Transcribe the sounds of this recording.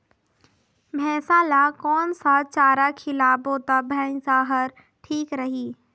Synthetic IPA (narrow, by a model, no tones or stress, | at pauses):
mʱɛːsaːlakɔːnsat͡ʃaːɾakʰɪlaːboːt̪abʱɛ̃ːsaːɦəɾ | ʈʰiːkɾɐɦiː